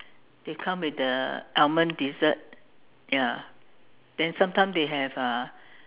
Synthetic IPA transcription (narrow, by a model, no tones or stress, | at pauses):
d̥ekʰãmwɪtdəɛlmə̃ndizət̚ | ja | d̥ɛ̃nsãmtʰãɪ̃mdeɦɛvə